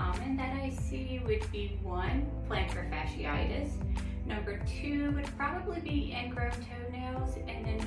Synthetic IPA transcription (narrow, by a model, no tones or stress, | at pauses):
ɑmɨ̃nðɨɾaɪsi | wɨd̚biwʌ̃npʰl̥æ̃ntʰɹ̥ɨfæʃḭa̰ɪɾɨs | nʌ̃mbə˞tʰʉwɨd̚pʰɹ̥ɑbəblibiʔɨ̃nɡɹõʊ̃ntʰoʊnoʊzɨ̃nðɨ̃n